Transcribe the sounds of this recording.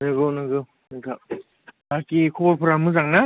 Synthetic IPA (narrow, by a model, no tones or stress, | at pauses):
nɯɡɯwnɯɡɯw | nɯɡa | bakikʰɔbɔɾpʰɯɾamɯzaŋna